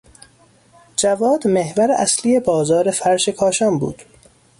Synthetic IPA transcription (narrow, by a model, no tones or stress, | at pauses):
d͡ʒævɒːd̪mehvæɾeʔæslije̞bɒːzɒːɾe̞fæɾʃe̞kʰɒːʃɒːmbṵːd̪̥